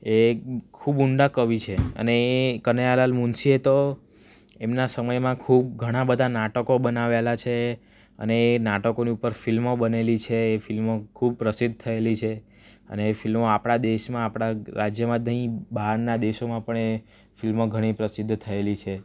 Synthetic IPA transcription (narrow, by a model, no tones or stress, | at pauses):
ekʰubuɳɖakəʋit͡ʃʰeə̰neekənealalmunsiet̪o | emnasəməjmãkʰub̚ɡʱəɽ̃ãbəd̪ʱanaʈəkobənaʋelat͡ʃʰe | ə̰neːnaʈəkoniupəɾfilmobənelit͡ʃʰeːfilmokʰub̚pɾəsid̪̚ʱt̪ʰəelit͡ʃʰe | ə̰neːfilmoapɽ̃ad̪eʃmãapɽ̃aɾad͡ʒjəmãd̪əĩbaɾnad̪eʃomãpəɳe | filmoɡʱəɽ̃ipɾəsɪd̪ʱːt̪ʰəelit͡ʃʰe